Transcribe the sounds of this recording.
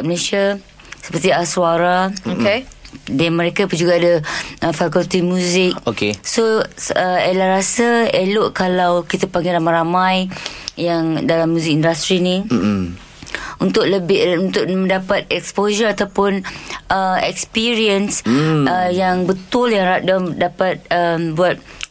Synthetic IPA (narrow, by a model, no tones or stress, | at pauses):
məlesia | sə̥pərt̪iasuaɾaokedanmə̃ɾekapud͡ʒuɡaːdaʔəfakult̪imjuzɪk̚okesoəelahɾasəelʊʔkalawkit̪apaŋɡɪɾamaɾamãjjaŋdalamːjuzɪk̚indast̪ɾini | unt̪ʊʔ̚ləbɪunt̪ʊʔmə̃ndapat̪̚ɛkspoʒəɾat̪awpʊnʔəɛkspiɾiənsəjaŋbət̪ʊljaŋadamdapat̪̚əmbuat̪̚